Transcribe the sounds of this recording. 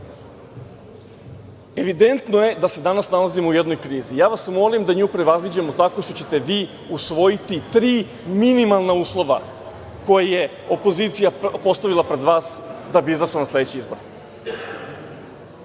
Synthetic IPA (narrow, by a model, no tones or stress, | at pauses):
e̞ʋid̪e̞nt̪noje̞d̪ase̞d̪anasnalazimouje̞d̪no̞jkɾiːzijaːʋasmo̞limd̪aɲuːpɾe̞ʋazlid͡ʑe̞mo̞t̪ako̞ʃt̪ot͡ɕe̞t̪e̞ʋiː | usʋo̞jit̪it̪ɾiː | minimalˠnauːslˠo̞ʋa̰ | ko̞jeje̞ | o̞po̞ziːt̪sijapo̞st̪aʋilˠapɾe̞d̪ʋaːsd̪abiizaʃanasle̞d̪et͡ɕiizbo̞ɾ